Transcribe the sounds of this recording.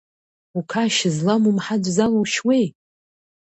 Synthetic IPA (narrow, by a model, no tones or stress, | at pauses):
ukʰaʃɪzlamumħad͡ʒʷzaloʃwej